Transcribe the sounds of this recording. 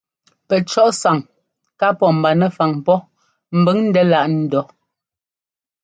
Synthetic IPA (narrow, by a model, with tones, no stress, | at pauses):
pɛ˨t͡ʃɔ˦ʔsa˨ŋ | ka˦pɔ˨m̩˨ba˨nɛ˨fa˨ŋpɔ˦ | m̩˨bə˦ŋn̩˦dɛ˦la˦˨ʔn̩˦dɔ˨˦